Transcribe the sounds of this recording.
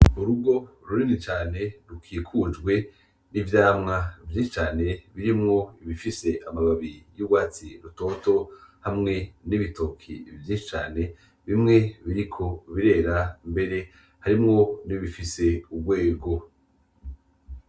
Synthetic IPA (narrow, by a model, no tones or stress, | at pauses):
uɾuɡo̞ɾuɾinit͡ʃaːne̞ɾukʰiːkʰud͡ʒɡwe̞ | nivjaːmŋavjĩːʃi̥t͡ʃaːne̞βiɾimŋo̞iβifise̞ʔamaβaβijuɡwaːt͡siɾuto̞to̞hamŋe̞niβito̞kʰḭvjĩːʃit͡ʃa̰ːne̞ | βimŋe̞βiɾikʰo̞βiɾe̞ːɾambe̞ɾe̞ | haɾimŋo̞niβifise̞ubɡwe̞ːɡo̞